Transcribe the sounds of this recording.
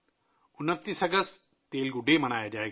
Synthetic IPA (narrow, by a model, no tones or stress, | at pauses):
ʊnət̪ːiːsəɡəst̪ | t̪eːlɡʊɖeməñaːjad͡ʒaːeːɡa